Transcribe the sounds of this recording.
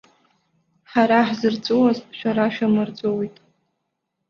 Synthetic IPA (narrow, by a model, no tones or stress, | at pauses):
ħaɾaħzɨrt͡sʷʼowazʃᶣaɾaʃᶣamɨrd͡zʷʼowejtʼ